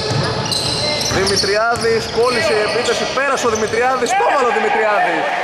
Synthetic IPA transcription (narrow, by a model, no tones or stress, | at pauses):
ðimit̪ɾiɐðisko̞liseie̞piθesipe̞ɾɐsoðimit̪ɾiɐðist̪o̞vɐloðimit̪ɾiɐði